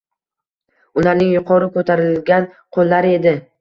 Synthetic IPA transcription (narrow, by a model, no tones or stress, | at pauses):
ʊlaɾnɪŋjʊqʰɒɾɪkʰɵt̪ʰaɾɪlɡʲanqʰolˠːaɾe̞d̪ɪ